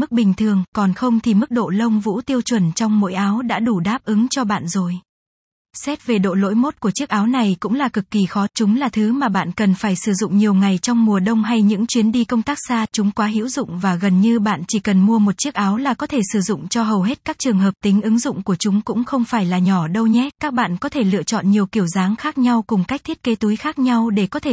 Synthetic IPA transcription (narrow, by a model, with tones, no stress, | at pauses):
mɨ˦˥k̚ɓï˨˩ŋ̟t̪ʰɨ˨˩əŋkɔ˨˩nxə˧wŋ͡mt̪ʰi˨˩mɨ˦˥k̚ɗo̰˧˨lə˧wŋ͡mvṵ˧˥t̪i˧əwt͡ɕwə˨˩nt͡ɕɔ˧wŋ͡mmo̰˧˥jʔaː˨˦wɗa̰ː˧˥ɗu˧˩ɗaː˦˥p̚ʔɨ˨˦ŋt͡ɕɔ˧ɓa̰ː˧˨nzo˨˩j | sɛ˦˥t̚ve˨˩ɗo̰˧˨lo̰˧˥jmo˦˥t̚ku˧˩ət͡ɕi˦˥ək̚ʔaː˨˦wna˨˩jkʊ̰˧˥ŋ͡mlaː˨˩kɨ˨˩kːi˨˩xɔ˨˦t͡ɕʊ˨˦ŋ͡mlaː˨˩t̪ʰɨ˨˦maː˨˩ɓa̰ː˧˨nkə˨˩nfaː˧˩jsɨ˧˩zʊ̰˧˨ŋ͡mɲi˨˩əwŋa˨˩jt͡ɕɔ˧wŋ͡mmu˨˩əɗə˧wŋ͡mɦa˧jɲɨ̰˧˥ŋt͡ɕwi˨˦ənɗi˧kə˧wŋ͡mt̪aː˦˥k̚saː˧t͡ɕʊ˨˦ŋ͡mkwaː˨˦ɦḭ˧˥wzʊ̰˧˨ŋ͡mvaː˨˩ɣə˨˩nɲɨ˧ɓa̰ː˧˨nt͡ɕi˧˩kə˨˩nmu˧əmo˨˩t̚t͡ɕi˦˥ək̚ʔaː˨˦wlaː˨˩kɔ˨˦t̪ʰe˧˩sɨ˧˩zʊ̰˧˨ŋ͡mt͡ɕɔ˧ɦə˨˩wɦe˦˥t̚kaː˦˥k̚t͡ɕɨ˨˩əŋɦəː˨˩p̚t̪ï˨˦ŋ̟ʔɨ˨˦ŋzʊ̰˧˨ŋ͡mku˧˩ət͡ɕʊ˨˦ŋ͡mkʊ̰˧˥ŋ͡mxə˧wŋ͡mfaː˧˩jlaː˨˩ɲɔ˧˩ɗə˧wɲɛ˦˥kaː˦˥k̚ɓa̰ː˧˨nkɔ˨˦t̪ʰe˧˩lɨ̰˧˨ət͡ɕɔ̰˧˨nɲi˨˩əwki˧˩əwzaː˨˦ŋxaː˦˥k̚ɲa˧wkʊ˨˩ŋ͡mka˦˥k̚t̪ʰi˦˥ət̚ke˨˦t̪u˨˦jxaː˦˥k̚ɲa˧wɗe˧˩kɔ˨˦t̪ʰe˧˩